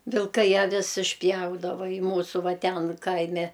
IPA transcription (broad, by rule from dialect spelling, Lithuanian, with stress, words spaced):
ʋʲɪlˠˈkɐɪ ɐˈʋʲɪs ɪʃʲˈpʲjɛʊdɐʋɐ ɪ ˈmuːsʊ ˈʋɐ ˈtʲɛn ˈkɐɪmʲɛ